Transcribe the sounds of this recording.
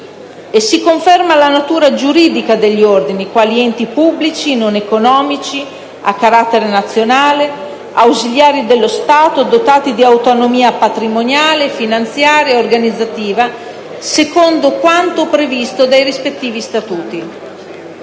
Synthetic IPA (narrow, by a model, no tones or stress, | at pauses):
esikoɱfɛrmalanat̪uːɾad͡ʒuɾiːd̪ikad̪eʎːiord̪inikwaliɛnt̪ipubːlit͡ʃinonekonɔːmit͡ʃi | akːaɾat̪ːeɾenat̪sːjonaːle | awziʎaːɾid̪elːost̪aːt̪od̪ot̪aːt̪id̪iawt̪onomiːapat̪ɾimonjaːlefinant̪sjaːɾjeorɡanid̪zːat̪iːva | sekond̪okwant̪opɾevist̪od̪ajrispet̪ːiːvist̪at̪uːt̪i